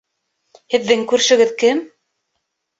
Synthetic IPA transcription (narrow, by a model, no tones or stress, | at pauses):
hɘ̆ðːɘŋkʉɾʃɵ̆ɡɘðkɘm